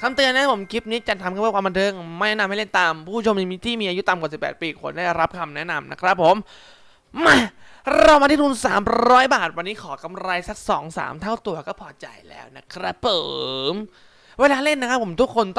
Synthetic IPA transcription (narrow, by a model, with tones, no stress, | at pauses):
k̪ʰa˧mt̪ɯ˧əna˦˥pʰo˩˦mkʰi˦˥p̚niː˦˥t͡ɕa˧nt̪a˧mka˧˩˧kwʰa˧mba˧nt̪ʰɤː˧ŋma˥˩jnɛ˦˥n˧mha˥˩le˥˩nt̪a˧mpʰuː˥˩˦t͡ɕʰo˧mni˧miː˦˥t̪ʰiː˥˩miː˧ʔa˧ju˦˥t̪a˧mka˨˩si˨˩pːɛ̰ː˨˩t̪̚piː˧kʰo˧ndaː˥˩jɾa˦˥p̚kʰa˧mnɛ˦˥na˧mna̰˦˥kʰɾa˦˥pʰːo˨˩˦mː | a˧˩ | ɾa˧wmaː˧t̪ʰiː˥˩t̪ʰu˧msaː˩˦mɾɔː˦˥jbaː˨˩t̪̚wa˧nːiː˦˥kʰɔː˩˦ka˧mɾa˧jsa˦˥k̚sɔ̰ː˩˦ŋsa̰ː˩˦mt̪ʰa˥˩wt̪u˧ɐkɔː˥˩pʰɔː˧˩t͡ɕa̰˧jlɛ̰ː˦˥wna̰˦˥kʰɾa˦˥pʰɤː˨˩m | weː˧laː˧le˥˩nːa˦˥kʰa˦˥pʰːo˩˦mt̪ʰu˦˥kʰːo˧nt̪ɔ˥